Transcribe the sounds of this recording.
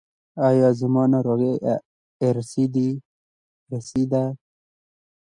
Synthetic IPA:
ɑjɑːzimɑːnaɾoɣeː | ɾsid̪i | ɾesid̪a

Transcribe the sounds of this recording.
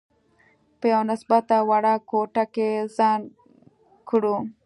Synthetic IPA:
pəjawnɪsbat̪awaɽakoʈakezɑn | kɽu

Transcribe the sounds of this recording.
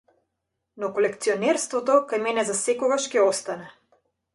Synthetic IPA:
nɔkɔlɛkt̪siɔnɛɾst̪vɔt̪ɔkajmɛnɛzasɛkɔɡaʃkɛɔst̪anɛ

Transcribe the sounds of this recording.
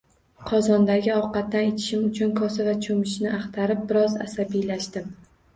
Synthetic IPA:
qʰɒzɒnd̪aɡʲɪɒqɑt̪̚ːanet̪ʰɪ̥ʃɪmʊt͡ʃʰʊnkʰɒsavat͡ʃʰomɪʃnɪʔɑχt̪ʰaɾɪp̚bɪɾɒza̰sabijlaʃt̪ɪm

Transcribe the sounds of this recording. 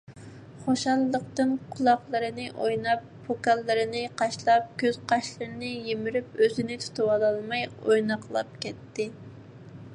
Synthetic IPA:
χoʃɑlˠːəq̚t̪ɨnqʰʊlˠɑχlˠəɾɨnɨʔojnɑpːʰokɑlˠːɨɾɨnɪqʰɑʃlˠɑp̚kʲʰøz̥qʰɑʃlɨɾnɪjemɪɾypøzɪnɪt̪ʰu̥t̪ʰɨwɑlˠɑlˠmɑjojnɑqʰlˠɑp̚kʲɛt̪ːɪ

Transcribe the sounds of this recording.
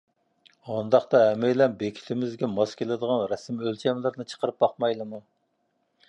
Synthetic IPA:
ɑnd̪ɑχt̪ɑɦɛmɪjlɛnbekʲʰi̥t̪ʰɪmɪzɡʲɛmɑskʲelɪd̪əʁɑnɾɛsɨmølt͡ʃʰɛmlɪɾnɨt͡ʃʰə̥qəɾɨp̚bɑqmɑjlˠɨmu

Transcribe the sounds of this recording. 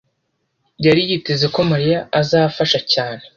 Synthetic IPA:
bɟaɾijitezeko̞maɾijaʔːzaːfaʃacaːne̞

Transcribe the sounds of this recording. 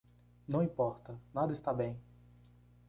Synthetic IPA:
nɐ̃w̃ĩpɔɾt̪ɐnad̪ɐɪst̪abẽj̃

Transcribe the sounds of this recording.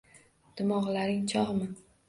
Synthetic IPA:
d̪̥ɪmɒʁlaɾɪŋt͡ʃʰɒʁmɪ

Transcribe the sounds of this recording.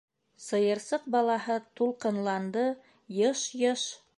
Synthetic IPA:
sɤ̆jɤ̆ɾsɤq̚bɑlˠɑɦɤt̪ulˠqɤ̆nlˠɑnd̪ɤ | jɤʃjɤʃ

